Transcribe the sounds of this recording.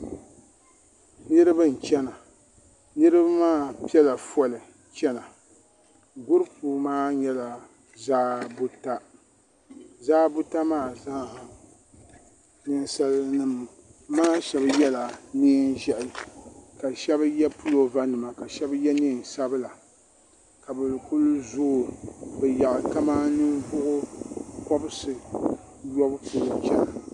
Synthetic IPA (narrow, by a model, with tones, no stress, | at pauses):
nɨ˦ɾɨ˦bɨ˦n̩˨t͡ʃɛ˦na˨ | nɨ˦ɾɨ˦ba˦maː˦pi˦ɛ˦la˨fɔ˨lɨ˨ | t͡ʃɛ˦na˨ | ɡʊ˦ɾɨ˦pu˨maː˦ɲɛ˦la˨ | zaː˦bʊ˦ta˦ | zaː˦bʊ˦ta˦maː˦˨za˦˨ | nɨ˦nsa˦lnɨ˦m˨ | maː˦ʃɛ˦bjɛ˦la˨ni˦nʒɛ˦ʔɪ˨ka˨ʃɛ˦bjɛ˦pu˦lo˨va˦nɨ˨ma˨ka˨ʃɛ˦bjɛ˦ni˦˨n˨sa˦bɨ˦la˨ | ka˨bɨ˨lɨ˨kʊ˦lʊ˦zoː˦˨bɛ˨ja˨ʔɨ˨ka˦ma˦nɨ˦ŋɡʊ˦ʔʊ˦kɔ˦bɨ˦sɨ˨ | jɔ˦bpu˨lo˨kɛ˦la˨